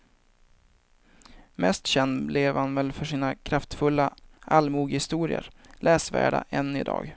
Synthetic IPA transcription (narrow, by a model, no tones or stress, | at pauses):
mɛst̪ɕɛnd̪blɪvhanvɛlːfœʂiːnakʰɾaft̪fɵlːaʔalmuːɡhɪst̪uːɾɪə̰ɾ | lɛːsvæ̰ːɖa̰ʔɛnːɪ̰d̪ɑ̰ːɡ